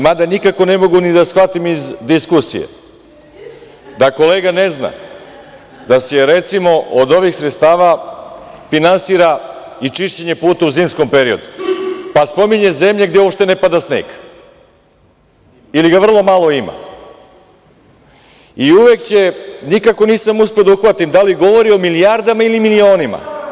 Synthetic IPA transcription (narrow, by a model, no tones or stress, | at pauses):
mad̪anikako̞ne̞mo̞ɡunid̪asxʋat̪imizd̪iskusḭjḛ | d̪ako̞leːɡane̞zna̰ | d̪aseɾet̪simo̞ʔod̪o̞ʋixsɾet̪st̪aːʋa | finansiːɾa | it͡ʃiʃt͡ɕe̞ɲe̞puːt̪auziːmsko̞mpe̞ɾio̞d̪upaspo̞miɲe̞ze̞mʎe̞ɡd̪eopʃt̪e̞ne̞pad̪asnḛk | iliɡaʋr̩lˠo̞malˠo̞ima̰ | iuʋekt͡ɕe̞nikako̞niːsamusped̪auxʋat̪imd̪aliɡo̞ʋo̞ɾio̞milijaɾd̪amailimilio̞ːnima̰